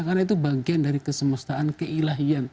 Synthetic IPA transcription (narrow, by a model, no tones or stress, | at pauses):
karnait̪̬ubaɡiandaɾikəsəməst̪aʔankəilaɦian